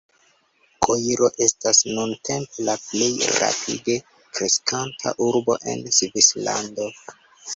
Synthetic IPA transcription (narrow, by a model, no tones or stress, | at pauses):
koiɾo̞ʔe̞stasnunte̞mpelaple̞jɾa̰pʰḭde̞ | kɾe̞skʰantʰa̰ʔuɾbo̞̰ʔe̞̰nsvisla̰ndo̞